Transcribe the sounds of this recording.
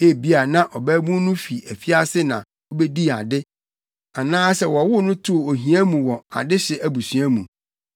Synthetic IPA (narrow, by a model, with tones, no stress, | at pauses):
e˦˨bi˦a˨nã˦ʔɔ˨bæ˦bũ˦nʊ̃˦fi˨æ˨fi˦a˦sɪ˦nã̰˨ | ɔ˦bɛ˦di˦˨a̰˨dɪ˦ | a˨nãː˦sɛ˨wɔ˨wʊ˦nʊ̃˦tʰʊ˦˨o˨ɦĩ˨æ̃˦mũ˨wɔ˨a̰˨dɪ˦ɕɪ˨ʔæ˨bu˨sɥæ˦mũ˨